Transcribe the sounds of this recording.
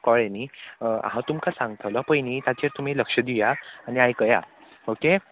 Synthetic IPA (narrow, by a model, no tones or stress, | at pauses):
kɔɭenḭːɦãt̪umkasãŋɡt̪ʰəʋləpəjnit̪at͡ɕeɾt̪um̤iləkʂəd̪ijaaniajkəja | oke